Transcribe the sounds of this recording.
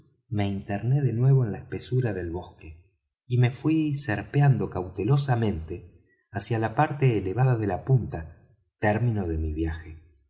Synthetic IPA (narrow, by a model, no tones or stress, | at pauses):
me̞int̪eɾne̞ðe̞nwe̞β̞o̞enlaehpesuɾaðe̞lβo̞ske | ime̞fwiseɾpeand̪o̞kawt̪e̞lo̞samẽ̞nt̪e | asjalapaɾt̪e̞ːleβ̞aðaðe̞lapunt̪a | t̪ɛɾmino̞ð̞e̞miβ̞jaxe